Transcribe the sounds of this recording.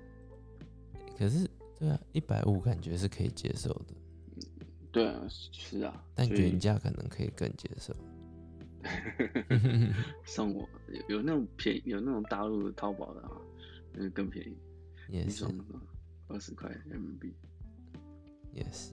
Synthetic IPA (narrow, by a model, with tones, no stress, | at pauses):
e˥˩kʰə˨˩ʂ̬ɻ̩˥˩˧ | t̪we˥˩ɪa˨˩i˥˩pa˨˩ɪʔu˥˩ka˨˩nt͡ɕɥɛ˧˥ʂ̬ɻ̩˥˩kʰɤ˧˥ḭ˨˩t͡ɕjɛ̰˥so˥˩ʊd̪ə˩˥˩ | t̪we˥˩ɪa̰˨˩ʂɻ̩˥˩ɐ̰˨˩t̪a˥˨n˥ɛ˧˥˧nt͡ɕja˥˧kʰɤ̰˨˩nɤ̰˧˥ŋkʰɤ˧˥ḭ˨˩kə̰˥˩ŋt͡ɕjɛ̰˧˥so˥˩ʊ˥˧˥ | ʂɑ˥˩ŋwɔ̰˨˩˦jo̰˨˩jo˨ʊna˥˩ʈ͡ʂʊ˨˩ŋpʰjɛ̰˧˥ŋjo˨˩ʊna˥˩ʈ͡ʂʊ˨˩ŋt̪a˥˧lu˥˩d̪ə˩t̪ʰɑ˥ʊpɑ̰˨˩ʊd̪ə̰˦a̰˥˩ | t͡ɕo˧˥˧kə˥˩ŋpʰjɛ̰˧˥ŋi˥˩ | jɛ̰˥˩ʂ̩˥˩n˥˩ə˥˩ | ə˥˩ʂɻ̩˧˥kʰwa̰˥˩ɪɛ̰˥˩nə˧˥npi˥˩ | jɛ̰˥˩s